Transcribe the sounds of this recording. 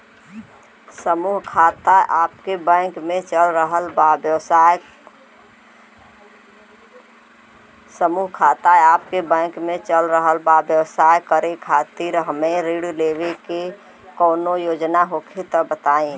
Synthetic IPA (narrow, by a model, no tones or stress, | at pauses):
səmuɦkʰaːt̪aʔaːpkebɛ̃ːkmẽt͡ʃəlɾəɦəlbabjəwsaj | səmuːɦkʰaːt̪aeaːp̚kebɛ̃ːkmẽt͡ʃəlɾəɦəlbabjəwsaːjkəɾekʰaːt̪iɾɦəmeɾiɽleːʋeke | kɔːnojoːd͡ʒnaɦokʰet̪ɔbət̪aːĩ